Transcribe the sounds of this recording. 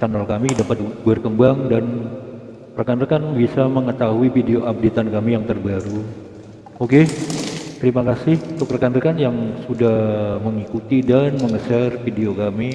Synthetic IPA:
t͡ʃanalkamidapat̪̚bərkəmbaŋdan | rəkanrəkanbisaməŋət̪aɦuifideoʔap̚det̪ankamijaŋt̪ərbaɾu | oke | t̪əɾimakasɪhunt̪ʊkrəkanɾəkanjaŋsudahməŋikut̪idanməŋəsɛrfideokami

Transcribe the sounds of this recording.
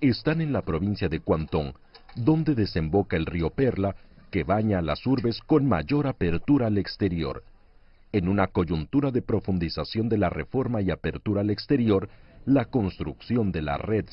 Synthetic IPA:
e̞st̪ane̞nlapɾo̞βinsjaðe̞kwant̪o̞ŋ | d̪o̞nd̪e̞ðe̞se̞mbo̞kae̞lrio̞pe̞ɾlake̞βaɲaːlasuɾβe̞sko̞nma̰ʝo̞ɾape̞ɾt̪uɾaːle̞kst̪e̞ɾjo̞̰ɾ | e̞nunako̞ʝunt̪uɾaðe̞pɾo̞fund̪isasjo̞nd̪e̞lare̞̰fo̞ɾmaiape̞ɾt̪uɾaːle̞kst̪e̞ɾjo̞ɾlako̞nst̪ɾuksjo̞nd̪e̞la̰re̞ð

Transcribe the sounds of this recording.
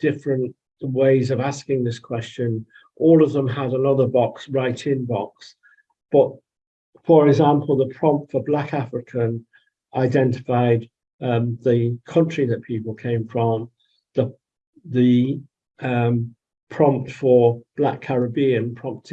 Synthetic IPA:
d̥ɪfɹə̃nt | weɪzəvaskɪ̃ŋðɪskʰw̥ɛst͡ʃə̃n | ʔɔlˠʌvðə̃məɾənʌðə˞bɒksɹaɪtʰɪ̃nbɒks | b̥ʌt | fə˞ɛɡzãmpʰəlˠðəpʰɹ̥ɒ̃mptfə˞blakafɹɪkʰə̃n | ʔaɪdɛ̃ntɪ̥faɪd̪̚ | ʌðəkʰʌ̃nt͡ʃɹ̥iðəʔ̚pʰipəlˠkʰẽɪ̃mɱfɹə̃m | ðə | ðə | ʌ | pʰɹ̥ɒ̃mp̚tfəb̥lakʰaɹəbĩə̃npʰɹ̥ɒ̃mp̚tʰ

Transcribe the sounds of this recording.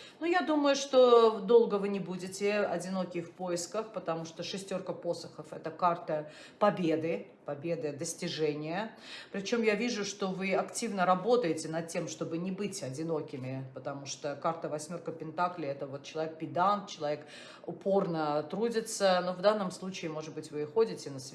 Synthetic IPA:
nujad̪uməjʊʂt̪od̪o̞lˠɡəvɨnʲɪbudʲɪtʲɪɐdʲɪno̞kʲɪfpoɪskəxpət̪ɐmuʂt̪oʂɨsʲtʲo̞rkəpo̞səxəfɛt̪əkart̪ə | pɐbʲe̞d̪ɨ | pɐbʲe̞d̪ɨd̪əsʲtʲɪʐɛnʲɪjəpɾʲɪt͡ɕo̞mjavʲiʐʊʂt̪o̞vɨɐktʲivnəɾɐbo̞t̪əjɪtʲɪnɐt̪̚tʲe̞mʂt̪o̞bɨnʲɪbɨtʲɐdʲɪno̞kʲɪmʲɪpət̪ɐmuʂt̪okart̪əvɐsʲmʲo̞rkəpʲɪnt̪aklʲɪɛt̪əvo̞t̪t͡ɕɪlˠɐvʲek̚pʲɪd̪ant̪̚t͡ɕɪlˠɐvʲe̞k | ʊpo̞rnət̪ɾudʲɪt̪səno̞vd̪anːəmslˠut͡ɕɪːmo̞ʐɨd̪̚bɨtʲvɨɪxodʲɪtʲɪnəsʲ

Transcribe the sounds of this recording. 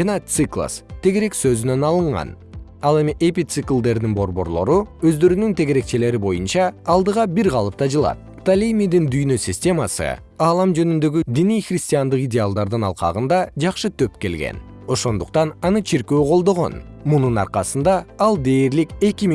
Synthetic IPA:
ɑnɑt̪sɨklˠa̰st̪ʰe̞ɡe̞ɾe̞ksø̞zynø̞nɑlˠɯɴʁɑ̰n | ɑlˠe̞miʔepʲit̪sɨklˠd̪e̞ɾd̪inbo̞ɾbo̞̰ɾlˠo̞ɾuø̞zd̪ø̞ɾynynt̪ʰe̞ɡe̞ɾe̞k̚t͡ʃele̞ɾibo̞junt͡ʃɑːlˠd̪ɯʁɑbiɾʁɑlˠɯp̚t̪ɑd͡ʒɯlˠɑ̰t̪̚ | t̪alʲimʲid̪ind̪yjnø̞sʲɪsʲtʲe̞masɯ̰ | ɑːlˠɑmd͡ʒø̞nynd̪ø̞ɡyd̪inijχrʲɪsʲt̪ʲijand̪ɯqidʲealˠd̪ɑɾd̪ɯnɑ̰lˠqɑ̰ʁɯnd̪ɑd͡ʒɑqʃɯt̪ʰø̞pke̞lɡe̞̰n | o̞ʃo̞nd̪uqt̪ɑnɑnɯt͡ʃʰiɾkøːqʰo̞lˠd̪o̞ʁo̞̰n | mununɑ̰ɾqɑsɯnd̪ɑːlˠd̪e̞ːɾlike̞kʲim

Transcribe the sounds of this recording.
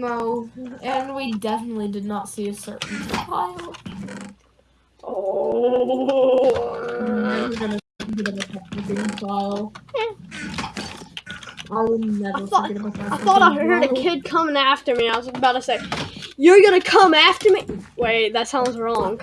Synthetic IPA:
noʊɨ̃nwidɛfənətˡlidɨdⁿnətsiɨsɜ˞ʔn̩əpʰaɪlˠ | ʔo | aɪwʌzɡʌnɨtɡɪɾɨvɨtʰɛk̚ɨɡɪ̃nfaɪlˠjæ | ʔaɪwəd̩ⁿnɛvaɪə˞fɡɛɾəbaʊt̚ãaɪθɔɾaɪɜ˞ɾɨkʰɪd̚kʰʌ̃mɪ̃ŋæftə˞miaɪwʌzəbaʊɾɨsaɪkjə˞ɡʌñɨkʰʌ̃mæftə˞miweɪðɨtsãʊ̃ndzɹɔ̃ŋ

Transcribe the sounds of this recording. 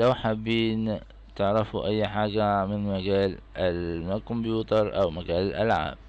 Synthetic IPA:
lawħabːiːn | t̪ɪʕɾɑfuʔajːħaːɡamɪnmaɡaːlʔɪlmakʊmbjuːt̪ɑɾˤʔa̰wmaɡaːlɪʔa̰lʕa̰ːb̚

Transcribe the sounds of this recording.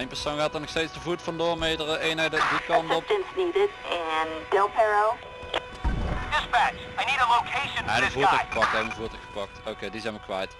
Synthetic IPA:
ejnmpəɹsownɣaːtərnɔxstejdsdəvutfɑndoːrmejdərəeːnəddikɑndɔpɪ̃nsniɾɪtɨ̃ndɪlˠpʰɛɹoʊ | d̥ɪspæt͡ʃ | ajniɾəloʊkʰeɪʃɨ̃nɛəvuəxə̥pɑk̚tɛjəvuːtəxə̥pɑk̚toːkejdizɛjnmʋəkʋɛjt

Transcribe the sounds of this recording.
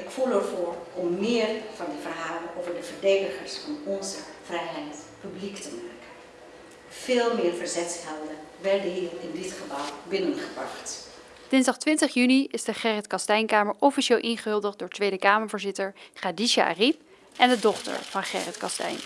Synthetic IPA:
ɪkfuləɹvʊːɹɔmːɪːrvɑndəvərɦaːlənʔowvəɹdəvəɹdejdəχəɹsfɑnɔnzəv̥rɛjɦɛjtpybliktəmaːkən | v̥ɪːlˠmɪːɹvəɹzɛtsfɛlˠdəʋɛɹdəɦiːrɪndɪtχəbɑlˠbɪnənχəbrɑ̰χt | d̥ɪnzdɑχtʋɪntəχjyniɪzdəχɛrɛtkɑstɛjnkaːməɹʔɔfiʃeːlˠʔɪnχəɦɵlˠdəχdʊːɹtʋejdəkaːməɹvʊːɹzɪtəɹχadiʃa̰a̰rip | ʔɛndədɔχtə̰ɹv̥ɑnχɛ̰ːrətkɑstɛ̰jn

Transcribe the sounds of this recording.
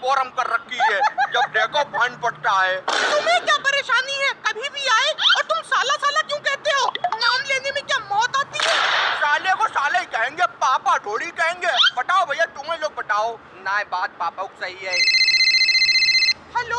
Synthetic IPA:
fɔːɾəmkɐɾːɐkʰːiɛːd͡ʒɐb̚ɖeːkopãːnpɐɽt̪aɦɛːt̪ʊmẽkjaːpɐɾeːʃaːniɦɛkɐbʱĩbʱiaːeɔːɾt̪ʊmsaːlasaːlakjũːkɛɦt̪eɦoːnaːmleːnemẽkjaːmɔːt̪aːt̪iɦɛːʃaːlekosaːlaɦikɐɦẽːŋɡepaːpaɖʱoːɽikɐɦẽːŋɡeːbɐʈaːobʱɐjat̪ũːẽloːɡ̚bɐʈaːo | naːẽbaːt̪̚paːpaʊksɐɦiɦɛː | hɛloː

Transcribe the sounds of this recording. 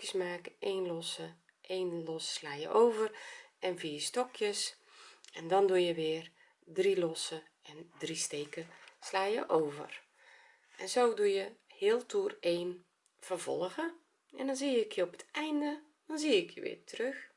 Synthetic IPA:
jəsmaːkeːnlɔsə | ʔeːnlɔsːlaːjə̰ʔoːvərʔɛnviːstɔkʰjəs | ɛndɔndujəʋɪːər | drilɔsə | ɛndristeːkəslaːjəʔoːvə̰r | ʔɛnzowdujəhɪːəlˠtʰuːreːn | v̥ərvɔ̰lˠɣə | ɛndɔnzijəəkʰɪɔpə̥tɛjndə | d̥ɔnziːɪkjəʋɪ̰ːrtərøx

